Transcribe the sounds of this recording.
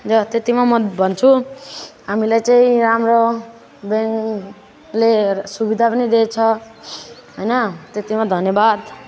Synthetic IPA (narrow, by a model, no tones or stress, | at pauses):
d͡zʌt̪et̪imamʌbʱʌnt͡sʰu | ɦamilajt͡saĩɾamro | beŋk | lesubid̪ʱapʌnid̪et͡sʰʌ | ɦojnʌt̪et̪imad̪ʱʌnjʌbad̪